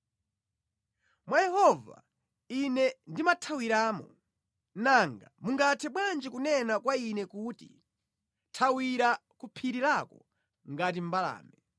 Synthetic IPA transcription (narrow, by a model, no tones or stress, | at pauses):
mwajɛhɔva̰ | inɛndimatʰawiɾaːmɔ̰ | naŋɡamuŋɡatʰɛɓwand͡ʒikunɛnakwainɛkuːtḭ | tʰawiɾakupʰiɾiɾakɔ | ŋɡat̬im̩bala̰ːmɛ